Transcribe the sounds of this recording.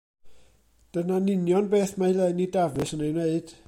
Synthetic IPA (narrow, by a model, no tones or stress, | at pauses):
d̥ənanɪnjɔnbeːθmahɪlɛnidavɨsənejwneɨd̥